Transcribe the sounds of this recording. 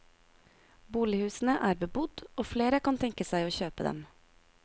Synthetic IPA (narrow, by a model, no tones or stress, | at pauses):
buːlɪhʉːsn̩əʔæːɾbəbʊd̪oːfleːɾəkɑnt̪ʰɛŋkəsæɪoːçøːpəd̪ɛ̰m